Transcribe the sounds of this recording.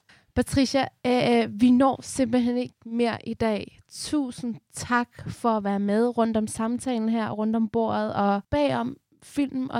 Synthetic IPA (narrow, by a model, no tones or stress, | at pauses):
pʰæt͡sʰʁiɕæ | ʋinɒ̰ːse̝m̰b̥l̩ɦene̝ɡ̥me̝ɐ̰ʔid̥ɛ̰ː | t͡sʰṵːsn̩t͡sʰɑ̈ɡ̥fɒ̽æʋæːɐmeðˠʁɔ̽n̰d̥ɒ̽msɑ̈mt͡sʰɛ̰ːln̩ɦæɐ̰ʁɔ̽n̰d̥ɒ̽mb̥o̝ɐ̰ð̩ˠɒ̽b̥ɛ̰ːɒ̽m | fil̰mm̩ɒ